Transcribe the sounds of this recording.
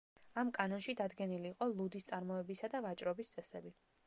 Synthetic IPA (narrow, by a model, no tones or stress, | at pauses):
amkʼanɔnʃid̪ad̪ɡɛniliːqʼɔlˠud̪ist̪sʼaɾmɔɛbisad̪avat͡ʃʼɾɔbist̪sʼɛsɛbi